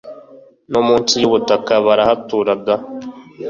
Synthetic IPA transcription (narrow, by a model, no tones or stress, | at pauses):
nomuːnsijuβutakaβaɾahatuːɾaɡa